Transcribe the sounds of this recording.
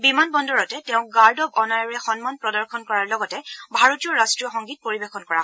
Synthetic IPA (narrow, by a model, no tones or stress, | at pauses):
bimanbɔndɔɹɔtɛtɛʊ̃ɡaɹdɔbɔnajɔɹɛxɔnmanpɹɔdɔɹxʰɔnkɔɹaɹlɔɡɔtɛbʱaɹotiɔɹastɹijɔxɔŋɡit̚poɹibexɔnkɔɹa